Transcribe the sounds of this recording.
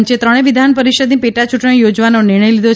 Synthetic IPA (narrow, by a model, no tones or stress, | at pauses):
ɲt͡ʃet̪ɾəɽ̃eʋid̪ʱanpəɾiʃəd̪nĩpeʈat͡ʃuʈɳ̃ĩjod͡ʒʋanonɪɾɳ̃əjlid̪o